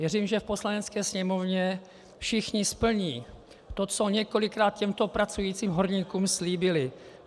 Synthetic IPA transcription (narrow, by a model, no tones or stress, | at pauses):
vjɛriːmʒɛfpo̞slanɛt͡skɛːsɲɛmo̞vɲɛ | fʃɪxɲɪspl̩ɲiː | t̪ot͡soɲɛko̞lɪkɾaːt̪̚cɛmt̪o̞pɾat͡sujiːt͡siːmɦoɾɲiːkuːmsliːbɪlɪ